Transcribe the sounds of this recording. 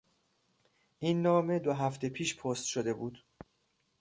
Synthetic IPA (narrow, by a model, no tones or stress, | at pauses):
ʔiːnːɒːme̞d̪oɦæft̪e̞pʰiːʃpʰoːst̪ʃod̪e̞buːd̪̥